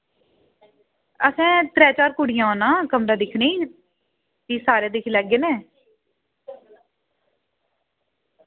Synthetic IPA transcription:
əsɛ̃ːt̪ɾɛːt͡ʃaːɾkʊɽɪjãːoːnãːkəmɾaːd̪ɪkʰniː | t̪iːsaːɾeːd̪ɪkʰilɛːɡeːnẽː

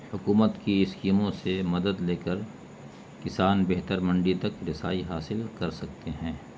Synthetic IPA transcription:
hʊkuːmət̪kiɪskiːmõsemɐd̪əd̪leːkəɾ | kɪsaːnbɛɦt̪əɾmɐ̃ɳɖit̪ɐkɾɪsa̰ːiɦaːsɪlkɐɾsɐk̚t̪eɦɛ̃ː

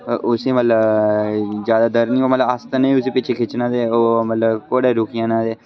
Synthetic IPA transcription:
ʔʊsẽːmət̪ləb | zjaːd̪aːd̪əɾnĩːoːmət̪ləbast̪ənəĩːʊseːpɪt͡ʃʰeːkʰɪt͡ʃnãːd̪eːoːmət̪ləbkoːɽeːɾʊkʰɪjãːnãːd̪eː

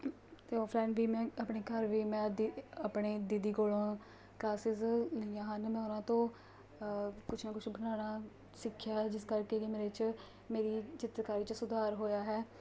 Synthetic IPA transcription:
t̪eːɔːpʰlɛːɪnʋiːmɛ̃ːəpɳeːkəɾʋiːmɛ̃ːd̪əpɽeːd̪ɪd̪iːkoːlãː | klaːsɪzljãːɦənmɛ̃ːʊnãːt̪õː | kʊt͡ʃʰnãːkʊt͡ʃʰbənaːñaː | sɪkʰːjaːɦɛːd͡ʒɪskəɾkeːkɪmeːɾet͡ʃ | meːɾiːt͡ʃɪt̪ɾkaːɾiːt͡ʃsʊd̪ʱaːɾɦoːjaːɦɛː

